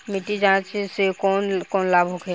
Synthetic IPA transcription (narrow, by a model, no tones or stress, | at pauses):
mɪʈid͡ʒãːt͡ʃsekɔːnkɔːnlaːbʱokʰɛ